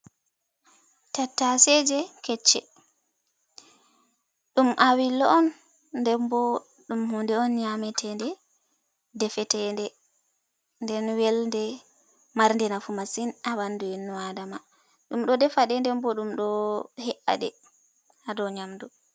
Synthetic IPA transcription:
tatːasɛd͡ʒɛkɛt͡ʃːɛ̰ | ɗumʔawilːɔɔnː | dɛmbɔ | ɗumhundɛɔnɲamɛtʰɛndɛ | dɛfɛtɛndɛ | ndɛnwɛlndɛ | maɾndɛnafumasinawandujinːuwadama | ɗumɗɔdɛfaɗɛndɛmbɔɗumɗɔhɛʔa̰ɗɛ̰ | hadɔɲamdu

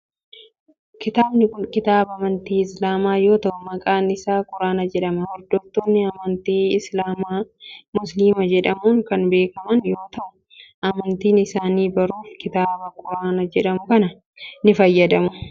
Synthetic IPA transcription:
kɪt̪aːbnɪkʊnkɪt̪aːbɐɐmɐnt̪iːɪslaːmaːjo̞ːt̪ɐʔʊmɐkʼaːnɪsaːkʼʊɾaːnɐd͡ʒɛᶑɐmɐhɔɾd̪oːt̪ːoːnːɪɐmɐnt̪iːɪslaːmaːmʊsliːmɐd͡ʒɛᶑɐmuːŋkɐnbe̞ːkɐmɐnjo̞ːt̪ɐʔʊ | ʔɐmɐnt̪iːnɪsaːniːbɐɾuːfkɪt̪aːbɐkʼʊɾaːnɐd͡ʒɛᶑɐmʊkɐnɐ | nɪfɐjːɐd̪ɐmʊ

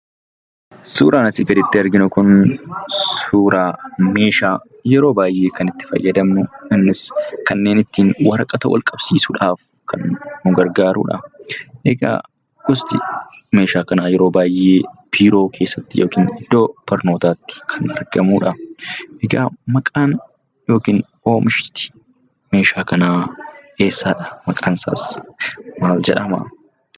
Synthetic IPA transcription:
suːɾʔaːnɐsɪɡɐd̪ɪt̪ːɪɐɾɡɪnʊkʊn | suːɾaːme̞ːʃaː | jɛɾo̞ːbaːjʔe̞ːkɐnɪt̪ːɪ̥fɐ̰jːɐd̪ɐmnʊɐnːɪskɐnːe̞ːnɪt̪ːiːnwɐɾɐkʼɐt̪ɐwɐ̰lkʼɐbsiːsʊᶑaːf | kʰɐ̰nːʊɡɐɾɡaːɾṵːᶑɐ̰ʔɛɡa̰ː | ɡ̥ɔst̪ɪ | me̞ːʃaːkɐnaːjɛɾoːbaːjʔeːb̥iːɾo̞ːkʰeːsːɐt̪ːɪjo̞̰ːkiːnɪd̪̥ːo̞ːbɐɾno̞ːt̪aːt̪ːɪ̥kʰɐnɐɾɡɐmuːᶑɐʔɛɡaːmɐkʼaːn | jo̞ːkiːn | o̞ːmɪʃɪt̪ɪ̥ | me̞ːʃaːkɐnaːe̞ːsːaːᶑɐ̥mɐkʼaːnsa̰ːs | maːld͡ʒɛ̰ᶑɐmɐ̰

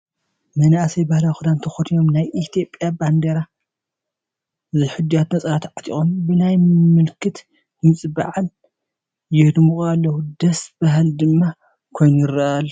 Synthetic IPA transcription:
mɐnasɐjbahlawxud̪ant̪ʰɐxot̪ʰijo̞mnajʔit̪ʰijo̞pʼjaband̪eɾa | ɨziħɨd̪ːijat̪nɐt͡sʼɐɾat̪ʕḁt̪ʼḭxʼombɨnajmɨlkʰɨt̪ | mɨt͡sʼba̰ʕal | jɪhd̪muxʼalːɐwud̪ɐsb̥aɦɨld̪ɨmːa | kʰo̞jnujɪɾːɐʔalːɐ

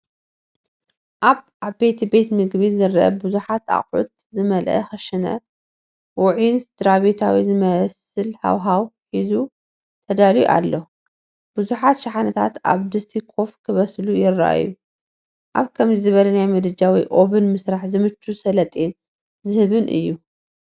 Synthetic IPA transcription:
ʔaβ | aβbe̞t̪ʰibe̞t̪mɨɡbizɨɾʔɐ̰buzuħat̪a̰χʼʕṵt̪̚zɨmɐlʔɐ̰xɐʃɪnɐ̰ | wʊʕinsd̪ɾaβet̪ʰawizɨmɐs | ɨlha̰wɦawħizu | t̪ʰɐd̪aliʔa̰lːo | b̥ɨzuħat̪ʃaħanɐt̪ʰat̪a̰βd̪ɨst̪ʰikʰo̞fkʰɨβɐslujɪrːɐ̰ʔa̰jːu | ʔa̰βkʰɐmzɨzɨβɐlɐnajmɐd̪ɨd͡ʒawiʔo̞βɨnmɨsɾaħzɨmɨt͡ʃʰːusɐlɐt̪ʼen | zɨhɨβɨnʔɨ̰jːu

